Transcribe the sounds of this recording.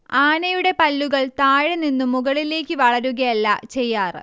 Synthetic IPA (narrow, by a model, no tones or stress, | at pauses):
aːɳɐjuɽe̞pɐlːuɣɐɭt̪aːɻɐninːumːuɣɐɭile̞ːkʲːɨʋɐɭɐɾuɣɐjɐlːɐ̰t͡ɕe̞jːaːrɨ